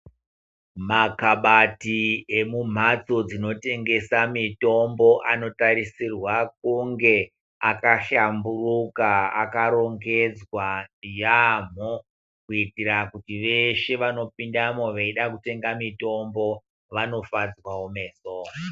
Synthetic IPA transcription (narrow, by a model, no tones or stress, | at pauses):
makaɓatie̞mum̤at͡so̞d͡zino̞te̞ŋɡe̞samito̞mbo̞ʔano̞taɾisirwak̚uŋɡe̞ | akaɬamburukaa̰kaɾo̞ŋɡe̞d͡zwajam̤o | kuitirakutiʋe̞ʃe̞ʋano̞pindamoʋeiɗakute̞ŋɡamito̞mbo̞ | ʋano̞fad͡zwawome̞ːso